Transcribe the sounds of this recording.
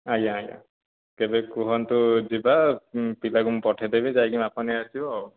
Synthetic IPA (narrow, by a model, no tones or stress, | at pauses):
ajaaja̰ | kɛbɛkuɦɔnt̪ʊzibapilaɡumpɔʈʰɛdebizajɡimapɔniasiaw